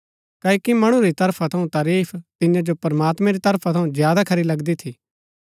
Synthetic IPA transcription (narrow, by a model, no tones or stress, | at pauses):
kɐkimɐɽ̃uɾit̪ɐɾpʰat̪ʰɐũt̪aːɾiːpʰt̪ɪ̃jãd͡ʒopɐɾmaːt̪mɛ̃ɾit̪ɐɾpʰat̪ʰɐũzjaːd̪akʰɐɾilɐɡd̪it̪ʰiː